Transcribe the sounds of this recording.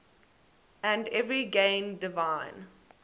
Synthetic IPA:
æ̃ndɛvɹiɡẽɪ̃ndɪvãɪ̃n

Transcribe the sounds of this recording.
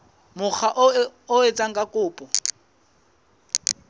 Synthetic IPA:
mʊk͡xʰaʔʊet͡sʼaŋ̩kʼakʼʊːpʼɔ

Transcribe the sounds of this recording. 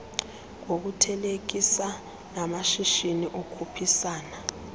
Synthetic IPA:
ŋok̬utʰɛlek̬isa | namaʃiʃiniʔokʰupʰisaːna

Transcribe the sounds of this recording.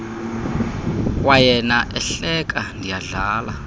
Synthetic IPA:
wajɛnaʔɛɬɛk̬ʼandʱijaɮaːla

